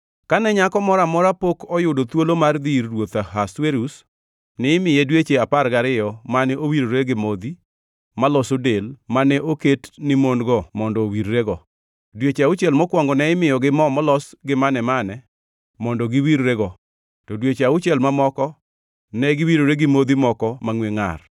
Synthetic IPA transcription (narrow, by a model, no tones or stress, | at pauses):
kanɛɲakɔmɔɾamɔɾapokɔjʊdot̪wolomard̪irːwot̪ahasweɾus | nɛɪmɪjedwet͡ʃeaparɡaɾɪjɔmanɛʔowiɾoɾeɡɪmod̪i | malɔsodelmanɛʔoketnɪmonɡɔmɔndɔwiɾːeɡɔ | dwet͡ʃeaʊt͡ʃɛlmɔkwɔŋɡɔnɛɪmɪjɔɡɪmɔmɔlɔsɡɪmanɛmanɛ | mɔndɔɡɪwiɾɾeɡɔ | tɔdwet͡ʃeaʊt͡ʃiɛlmamɔkɔ | nɛɡɪwiɾoɾeɡɪmod̪imɔkɔmaŋweŋa̰r